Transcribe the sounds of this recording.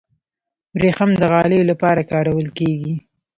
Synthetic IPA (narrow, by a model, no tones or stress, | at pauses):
bɾexamd̪əɣɑləjolapɑɾakɑɾawəlkeɡi